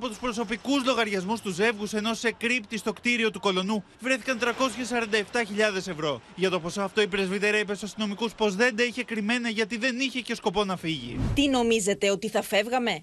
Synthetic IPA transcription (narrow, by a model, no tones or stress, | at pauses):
ɐpo̞t̪uspɾo̞so̞pikuzlo̞ɣɐɾʝɐzmust̪uze̞vɣuse̞no̞se̞kɾipt̪ist̪o̞kt̪iɾio̞t̪uko̞lo̞nu | vɾe̞θi̥kɐnt̪ɾɐko̞sçesɐɾɐnd̪ɐe̞ft̪ɐçiʎɐðe̞se̞vɾo̞ʝɐt̪o̞po̞soɐft̪o̞ipɾe̞zvit̪e̞ɾɐipesusɐst̪ino̞mikuspo̞zðe̞nd̪ɐiçe̞kɾime̞nɐʝɐt̪iðe̞niçe̞ce̞sko̞po̞nɐfiʝḭt̪ino̞mize̞t̪e̞o̞t̪iθɐfe̞vɣɐme̞